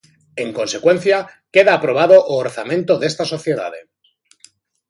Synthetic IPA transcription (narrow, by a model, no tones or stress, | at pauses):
e̞ŋko̞nse̞kwe̞nθjake̞ðaːpɾo̞β̞aðo̞ʔoːɾθamẽ̞nt̪o̞ðe̞st̪aso̞θje̞ða̰ðḛ